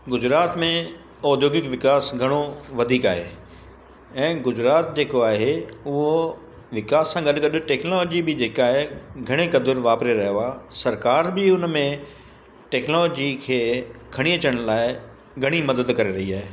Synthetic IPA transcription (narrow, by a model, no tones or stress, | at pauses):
ɡʊd͡ʑɾaːt̪mẽ | ɔːd̪ʱjoːɡɪkʋɪkaːsɡʱɐɽ̃oʋɐd̪ʱiːkaːɦeː | ɛ̃ːɡʊd͡ʑɾaːt̪̚d͡ʑeːkoaːɦeʊɦo | ʋɪkaːsːãɡɐɗɡɐɗʊ̆ʈɛːknoloːd͡ʑibɪd͡ʑeːkaːɦeɡʱɐɽ̃ekɐd̪ʊɾʋaːpɾeɾɐɦjoaːsɐɾkaːɾbɪʊnmẽ | ʈɛːknoːloːd͡ʑikʰeːkʰɐɽ̃iɐt͡ɕəɽ̃laːɪ | ɡʱɐɽ̃imɐd̪əd̪kɐɾeɾɐɦiaːɦeː